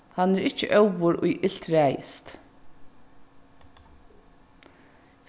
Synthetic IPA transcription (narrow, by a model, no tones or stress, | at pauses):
hanɛɾɪt͡ʃə̰ʔœwʋʊɾʊjʔɪl̥t̪ɾæːjɪ̰st̪